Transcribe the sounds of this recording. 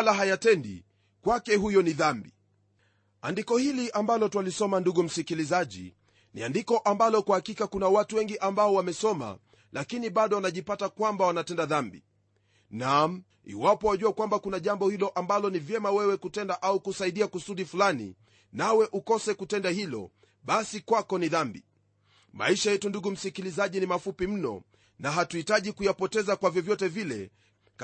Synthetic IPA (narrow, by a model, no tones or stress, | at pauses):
laɦajatɛndḭ | kwakɛɦujɔniðambi | andikɔhiliʔambalɔtwalisɔmanduɠum̩sikilizaʄḭ | nḭandikɔʔambalɔkwahakikakunawatuwɛŋɡiʔambaɔwamɛsɔma̰ | lakiniɓaɗɔwanaʄipatakwambawanatɛndaðambḭ | nam | ḭwapɔwaʄuakwambakunaʄambɔhilɔʔambalɔnivjɛmawɛwɛkutɛndaʔaukusaiɗiakusuɗifulanḭ | nawɛʔukɔsɛkutɛndahilɔ̰ | ɓasikwakɔniðambḭ | ma̰iʃajɛtunduɡum̩sikilizaʄinimafupim̩nɔ̰ | naɦatuitaʄikujapɔtɛzakwavjɔvjɔtɛvilɛ̰ | k